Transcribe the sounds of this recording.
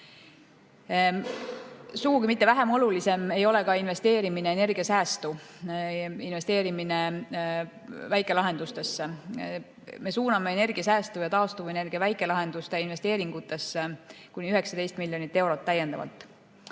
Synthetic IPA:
suɡ̥ukimit̪ːe̞væɦe̞mo̞lulise̞me̞jo̞le̞kɑinve̞st̪eːɾimine̞ːne̞rɡ̥iɑsæːst̪u | inve̞st̪e̞ːɾimine | væjkːˑe̞lɑɦe̞nd̪ust̪e̞sːe | me̞suːnɑme̞ene̞rɡ̥iɑsæːst̪ujɑt̪ɑːst̪uvue̞ne̞rɡ̥iɑvæjkːˑe̞lɑɦe̞nd̪̥ust̪e̞inve̞st̪e̞ːɾiŋɡ̥ut̪ːˑe̞sːekunʲiyɦe̞ksɑd̪e̞jst̪milːjonit̪ːe̞wɾo̞t̪ːæje̞nd̪̥ɑ̰vɑ̰lt̪ːˑ

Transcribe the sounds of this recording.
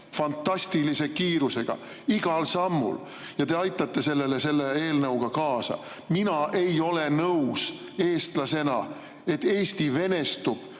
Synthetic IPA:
fɑnt̪ːˑɑsʲt̪ilise̞kiːɾuse̞ɡ̥ɑ̰ | iɡ̥ɑlsɑmːṵl | jɑt̪e̞ɑjt̪ːˑɑt̪ːe̞se̞lːe̞lese̞lːee̞ːlnɤwɡ̥ɑkɑːsɑ̰ | minɑʔe̞jo̞le̞nɤws | e̞ːst̪lɑse̞nɑ | e̞t̪ːˑe̞ːst̪ive̞ne̞st̪ub̥

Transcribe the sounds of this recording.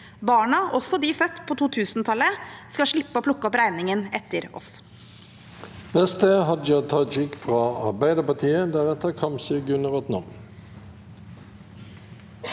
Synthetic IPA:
bɑːɳɑʔɔsɔd̪iːfœt̪ːpʰoːt̪uːt̪ʰʉːsnt̪ʰɑlːəskɑʂɭɪpːəoːpʰlʊkːəɔpɾæɪnɪŋənɛt̪ːəɾɔ̰s | nɛst̪əɦɑd̪d͡ʒɑt̪ʰɑd͡ʒɪkfʁɑːɑbæɪd̪əpɑt̪ʰiːəd̪æʁɛt̪əʁkʰɑmsəɡʉnəʁɔt̪nɑm

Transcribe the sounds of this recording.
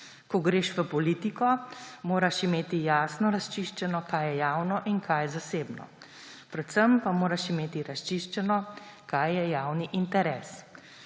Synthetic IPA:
kɔɡɾeːʃʋəpɔliːt̪ikɔmoːɾaʃimeːt̪ijaːsnɔɾast͡ʃiʃt͡ʃɛnɔkajjɛjaːwnɔʔinkʰajzaseːbnɔ̰ | pɾɛt̪səmpamoːɾaʃimeːt̪iɾast͡ʃiʃt͡ʃɛnɔkajːɛjaːwniʔint̪ɛɾɛːs

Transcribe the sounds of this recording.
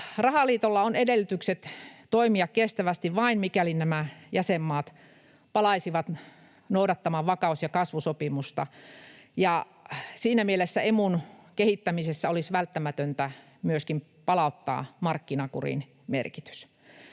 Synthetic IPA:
rɑhɑlˑiːt̪olːɑonedelːyt̪ykset̪t̪oimiɑkkest̪æʋæst̪iʋʋɑinmikælinnæmæjæsemːɑːt̪ | pɑlɑisiʋɑt̪ | noudɑt̪ːɑmɑʋʋɑkɑusjɑkɑsʋusopimust̪ɑ̰ | jɑ | siːnæmielesːæemunkehit̪ːæmisesːæolisʋælt̪ːæmæt̪ønt̪æ | myøskim | pɑlɑˑut̪ːɑ̰ːmɑrkːinɑkṵrḭn | mḛrki̥t̪y̥s

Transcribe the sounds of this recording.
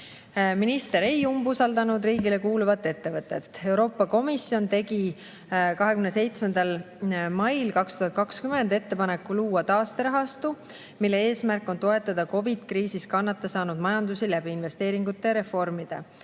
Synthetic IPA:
minist̪e̞ɾe̞jumbusɑld̪ɑnud̪riːɡile̞kuːluvɑt̪ːˑe̞t̪ːe̞vɤt̪ːˑe̞t̪ːˑe̞wɾo̞ːpːˑɑko̞misjo̞nt̪e̞ɡi | kɑɦekymnese̞jt̪smend̪ɑl | mɑjlkɑkst̪uɦɑt̪̚kɑkskymend̪e̞t̪ːe̞pɑne̞kːuluːɑt̪ɑːst̪eɾɑɦɑst̪u | milːe̞e̞ːsmærkːˑo̞nt̪o̞e̞t̪ːˑɑd̪̥ɑko̞vid̪̥kriːsiskɑnːɑt̪ːˑesɑːnud̪̥mɑjɑnd̪usilæb̥iinve̞st̪e̞ːɾiŋɡ̥ut̪ˑːeɾe̞fo̞rmid̪̥e̞̰

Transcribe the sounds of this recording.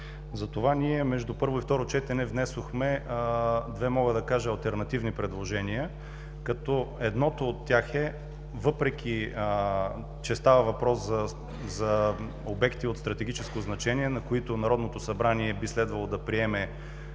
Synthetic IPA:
zɐt̪ovaniɛmɛʒd̪upɤɾvoift̪ɔɾot͡ʃɛt̪ɛnɛvnɛsoxmɛ | d̪vɛmɔɡəd̪ɐkaʒɛɐlˠt̪ɛɾnɐt̪ivnipɾɛd̪lˠoʒɛnijə | kɐt̪ɔɛd̪nɔt̪oːt̪ːjaxɛ | vɤpɾɛk̟ʰʲi | t͡ʃɛst̪avəvɐpɾɔszɐ | zɐ | obɛkt̪iot̪st̪ɾɐt̪ɛɡ̟it͡ʃɛskoznɐt͡ʃɛniɛnɐkoit̪onɐɾɔd̪not̪osɐbɾaniɛbislɛd̪vɐlˠod̪ɐpɾiɛmɛ

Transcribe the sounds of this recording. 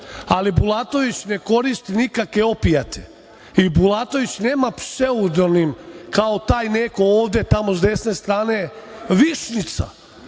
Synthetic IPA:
alibulˠat̪o̞ʋit͡ɕne̞ko̞ɾist̪inikakʋeo̞pijat̪ʰḛ | ibulˠat̪oʋit͡ɕne̞ːmapseud̪onimkaot̪aːjnekooːʋd̪e̞t̪amo̞zd̪e̞sne̞st̪ɾaːne̞ʋiʃnit̪sa̰

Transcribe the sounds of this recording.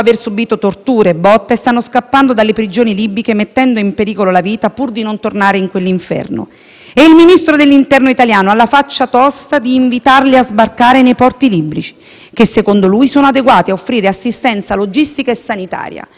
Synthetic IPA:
aversubiːt̪ot̪ort̪uːɾeːbːɔt̪ːast̪anːoskapːand̪od̪alːepɾid͡ʒoːnilibɾikemet̪ːɛnd̪oimpeɾiːkololaviːt̪apurd̪inont̪ornaːɾeiŋkwelːiɱfɛ̰rno̰ | eilminist̪ɾod̪elːint̪ɛrnoit̪aljaːnoalːafat͡ʃːat̪ɔst̪ad̪iːɱvit̪arliazbarkaːɾenejpɔrt̪ilibɾit͡ʃi̥ | k̟esːekond̪oluːjsoːnoad̪eɡwaːt̪iaofːɾiːɾeasːist̪ɛnt̪salod͡ʒist̪ikaesːanit̪a̰ːɾja̰

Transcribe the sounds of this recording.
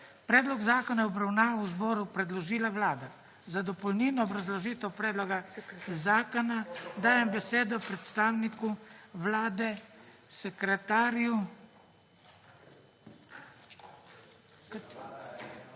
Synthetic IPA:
pɾɛːd̪lɔɡzaːkɔnajɛɔbɾawnaːʋazbɔːɾupɾɛd̪lɔʒiːlawlaːd̪a | zad̪ɔpɔwniːnɔːbɾazlɔʒiːt̪ɛwpɾɛːd̪lɔɡazaːkɔnad̪aːjɛmbɛseːd̪ɔpɾɛt̪st̪aːwnikuʋlaːd̪ɛsɛkɾɛt̪aːɾju

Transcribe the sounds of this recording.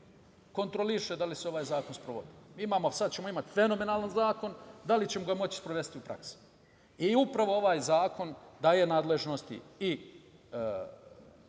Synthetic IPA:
ko̞nt̪ɾoliʃed̪aliseo̞ʋaːjzaːko̞nspɾoʋo̞̰d̪imiːimaːmosad̪̚t͡ɕe̞mo̞imat̪fe̞no̞me̞naːlanzaːko̞nd̪alit͡ɕe̞moɡamo̞t͡ɕi̥spɾoʋest̪iupɾa̰kse̥ | iupɾaʋo̞o̞ʋaːjzaːko̞nd̪ajenaːd̪le̞ʒnost̪ḭi

